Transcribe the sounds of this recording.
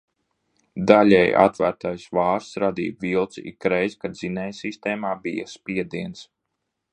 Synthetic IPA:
d̪alʲɛja̰t̪væːɾt̪ajsvɑːɾsɾad̪ḭːvilˠt̪sḭkɾɛjzkad̪zinɛjsist̪ɛːmaːbija̰spiɛd̪iɛns

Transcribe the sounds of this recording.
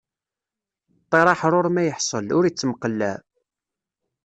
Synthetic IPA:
t̪ˤːeɾˤɑħɾˤoɾmæjəħsˤəlʊɾit͡sːəməqəlːæ

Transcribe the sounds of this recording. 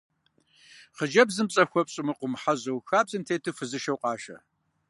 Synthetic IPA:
χəd͡ʒɐbzɨmɕʼɐxʷɔpɕʼɪmɨqʷʊmħaʑɐwxaːbzɨmtʰeːtʰɨfɨzɨʃɐwqʼɑːʃɐ̰

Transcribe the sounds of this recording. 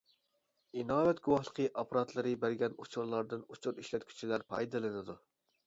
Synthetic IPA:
inɑːwɛt̪̚ɡʊwɑχlˠəqʰəʔɑpʰɑɾɑt̪lˠɨɾɨbæɾɡʲɛnut͡ʃʰʊɾlˠɑɾd̪ɨnut͡ʃʰuɾiʃlɛt̪̚ʲkʲʰy̥t͡ʃʰilæɾpʰɑ̰jd̪ɨlˠɨnɨd̪u

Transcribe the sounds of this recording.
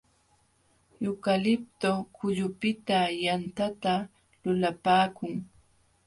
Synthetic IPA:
jʊkalɪp̚t̪okʊʎʊpɪt̪ajant̪at̪a | lʊlapaːkʊŋ

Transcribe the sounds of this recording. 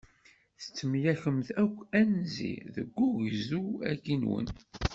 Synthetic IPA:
θə̥t͡sːəmjæçəmθækʷːænzḭðəɡːuʝzuækːinwə̰n

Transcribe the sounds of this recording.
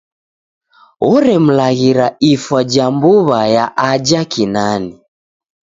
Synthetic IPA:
wɔɾɛm̩laɣiɾaifwad͡ʒambuβajaʔad͡ʒakinani

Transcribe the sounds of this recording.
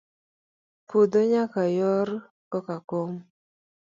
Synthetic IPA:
pudoɲakajɔɾ | kɔkakom

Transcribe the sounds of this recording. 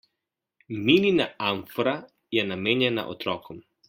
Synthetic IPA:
mininaaɱfɾa | jɛnameːnjɛna̰ʔɔ̰t̪ɾɔːkʰɔm

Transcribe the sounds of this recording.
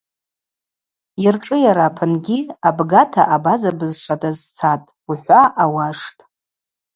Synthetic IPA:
jirʈ͡ʂʼɨjaɾapʰɨnɡʲiabɡatʰa̰ʔabazabɨzʃʷʰadazt͡sʰatʼ | uħʷaʔawaʂtʼ

